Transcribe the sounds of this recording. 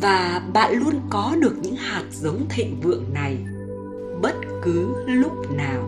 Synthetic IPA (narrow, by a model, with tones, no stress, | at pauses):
vaː˨˩ɓa̰ː˧˨nlu˧ənkɔ˨˦ɗɨ˨˩ək̚ɲɨ̰˧˥ŋhaː˨˩t̚zə˨˦wŋ͡mt̪ʰḛ˧˨nvɨ̰˧˨əŋna˨˩j | ɓə˦˥t̚kɨ˨˦lʊ˦˥k͡p̚naː˨˩w